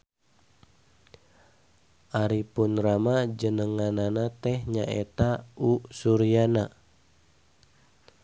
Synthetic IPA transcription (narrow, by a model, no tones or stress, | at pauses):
ʔaɾipunramad͡ʒənəŋananat̪ɛhɲa̰ʔḛt̪ausuɾiana